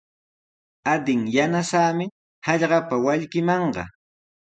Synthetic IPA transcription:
ad̪ɪŋjanasaːmɪ | hɑʎɢɑpawaʎkɪmɑɴɢɑ̰

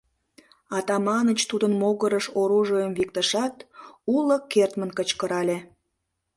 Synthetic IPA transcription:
ɑt̪ɑmɑnət͡ɕt̪ud̪ənmoɣəɾəʃoɾuʒojəmvik̚t̪əʃɑt̪uləkːert̪mənkət͡ɕkəɾɑlʲe

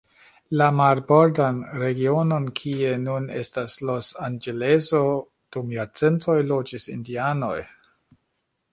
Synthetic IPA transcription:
lamaɾboɾdanɾe̞ɡiono̞nkʰie̞nune̞̰staslo̞sand͡ʒele̞zo̞ | d̥umjaɾt͡se̞ntʰo̞jlo̞d͡ʒisḭndiano̞̰j

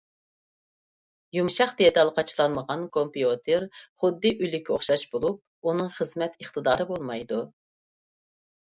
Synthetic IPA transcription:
jumʃɑqd̪ejɛd̪ɑlˠqʰɑt͡ʃʰlˠɑnməʁɑnkʰompiot̪ʰeɾχʊd̪ːɨʔylykʲʰːoχʃɑʃbolˠup̚unɨŋχəzmɛt̪əχt̪ɨd̪ɑːɾɨbolˠmɑjd̪u

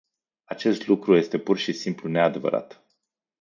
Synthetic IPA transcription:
at͡ʃe̞st̪lukɾuje̞st̪e̞purʃisimplune̞ad̪e̞və̰ɾa̰t̪

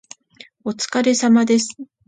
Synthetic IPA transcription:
o̞t͡sɨ̥kaɾe̞samad̪e̞sɨ̥

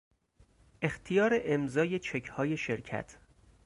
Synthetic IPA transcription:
ʔe̞xt̪ʰijɒːɾeʔemzɒːje̞t͡ʃʰe̞kʰhɒːje̞ʃe̞ɾcʰæ̰t̪ʰ

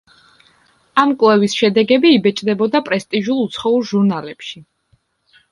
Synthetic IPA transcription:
amkʼwlˠɛvisʃɛd̪ɛɡɛbiːbɛt͡ʃʼd̪ɛbɔd̪apʼɾɛst̪ʼiʒulˠut̪sʰχɔuɾʒuɾnalɛpʃi

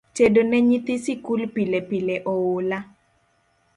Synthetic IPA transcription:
t͡ʃedonɛɲit̪isikulpilɛpilɛʔɔwʊla

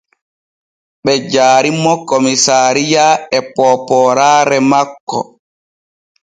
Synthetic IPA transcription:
ɓɛd͡ʒaːɾimɔkomisaːɾijaɛpɔpɔɾaːɾɛmakːɔ̰

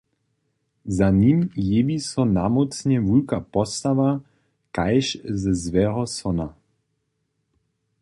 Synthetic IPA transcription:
zaniːmjeʋisɔnamɔt͡sɲɛvulkapɔst̪aʋa | kajʃzəzvɛɾɔsɔna

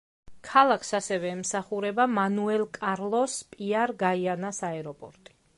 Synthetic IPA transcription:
kʰalˠakʰsasɛvɛːmsaχuɾɛbamanuɛlˠkʼaɾlˠɔspʼiaɾɡaianasaɛɾɔpʼɔɾt̪ʼi̥

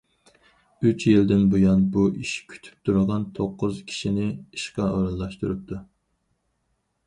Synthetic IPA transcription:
yt͡ʃjild̪ɪnbojɑnbuʔiʃkʲʰy̥t̪ʰy̥p̚t̪ʰuɾʁɑnt̪ʰoqːʊz̥kʲʰi̥ʃinɪiʃqɑoɾɑnlˠɑʃt̪uɾup̚t̪ʰu

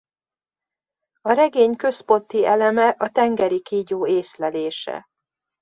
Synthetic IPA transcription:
ɒɾɛɡeːɲkø̞spo̞nt̪iʔɛlɛmɛʔɒt̪ɛŋɡɛɾikiːɟoːeːslɛleːʃɛ̰

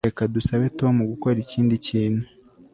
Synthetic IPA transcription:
ekadusaβe̞to̞muɡuko̞ɾiciːndiciːnu

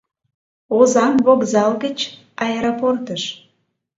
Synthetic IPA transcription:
ozɑmβoɣzɑlɣət͡ɕ | ɑeɾoport̪əʃ

